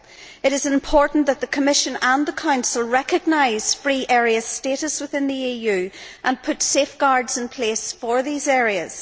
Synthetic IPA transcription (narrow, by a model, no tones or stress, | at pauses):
ɨɾɨzɪ̃mpʰɔɹʔn̩ðət̪̚ðəkʰəmɪʃə̃nə̃nðəkʰãʊ̃nsəlˠɹɛkəɡ̚naɪz̥fɹiːʔɛɹiəz̥steɾəswɪθɪ̃nðiijʉːʔə̃npʰʊtsefɡ̥aɹdz̥ɪ̃npʰl̥esfə˞ðizɛɹiəz̥